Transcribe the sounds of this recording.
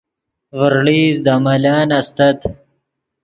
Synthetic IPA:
vəɾɭiːzd̪amɐlaːnɐst̪ɐt̪

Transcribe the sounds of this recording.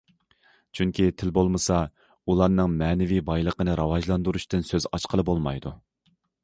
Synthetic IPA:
t͡ʃʰyŋkʲʰit̪ʰɪlbolˠmɨsɑ | ulˠɑɾnɨŋmɛːnɪvibɑjlˠəqənɨɾɑwɑʒlˠɑnd̪uɾuʃt̪ɨnsøzɑt͡ʃqəlˠɨbolˠmɑ̰jd̪u

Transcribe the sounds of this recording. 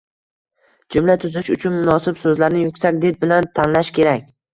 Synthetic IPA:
d͡ʒʊmlat̪ʰʊzɪʃʊt͡ʃʰʊnmʊnɒsɪbsɵzlaɾnɪjʊkʲsakʲd̪et̪̚bɪlant̪ʰanlaʃkʲʰe̞ɾakʲ

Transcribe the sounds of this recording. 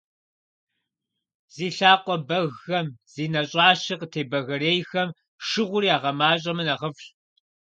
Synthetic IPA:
z̥iːɬaːqʷʼɔbɐɣɐmz̥iːnɐɕʼɑːɕɨqətʰeːbɐɣɐɾeːjxɐm | ʂɨʁʷʊɾiaːʁɐmaːɕʼɐmɨnɐʁɐfɬ

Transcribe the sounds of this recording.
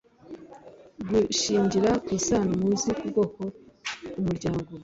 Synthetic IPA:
ɡuʃiːɲɟiɾakwiːsaːnamuːzikuɡokoumuɾɟaːŋɡo

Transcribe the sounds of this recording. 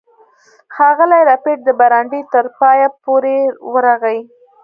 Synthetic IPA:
xɑɣəlajɾɑpeʈ̚d̪əbaɾɑɳɖit̪əɾpɑjapoɾewəɾaɣaj

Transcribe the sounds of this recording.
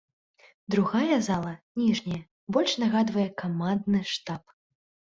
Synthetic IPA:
d̪ɾuɣajɐzalˠɐnʲiʐnʲɐjɛ | bɔlʲʂnaɣad̪vɐjɛkamand̪nɨʂt̪ap

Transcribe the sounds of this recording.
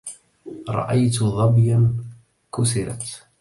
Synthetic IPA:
ɾˤɑ̰ʔajt̪ʊðˤɑbjan | kʊsɪɾa̰t̪

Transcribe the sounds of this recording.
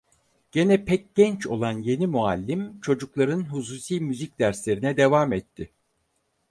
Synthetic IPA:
ɟ̥e̞nɛpʰɛc̚ɟɛnt͡ʃʰo̞̰lˠanje̞nimualʲːimt͡ʃʰo̞d͡ʒuklˠaɾɯnɦus̬uːsijmyzicd̪æɾslʲe̞ɾinɛd̪e̞vamɛt̪ʰːɪ

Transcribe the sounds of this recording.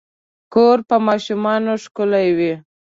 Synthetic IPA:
koɾpəmɑʃumɑnoʂkʊlajwi

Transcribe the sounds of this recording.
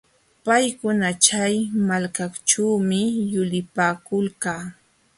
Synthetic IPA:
pajkʊnat͡ʃajmalkakt͡ʃuːmɪjʊlɪpaːkʊlkaː

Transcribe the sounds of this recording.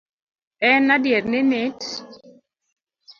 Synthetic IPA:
ɛnadjɛɾnɪnet

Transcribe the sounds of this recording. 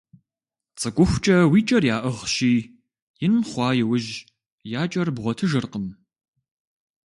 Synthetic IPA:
t͡sʼɨɡʷʼʊxʷt͡ʃʼɐwiːt͡ʃʼɐrjaːʔɨʁʃiː | jɪnmχʷɑːjɪwʊʒ | jaːt͡ʃʼɐrbʁʷɔtʰɨʒɨrqəm

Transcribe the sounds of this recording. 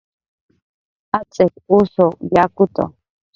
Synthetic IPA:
at͡sʼekusojakut̪o̰

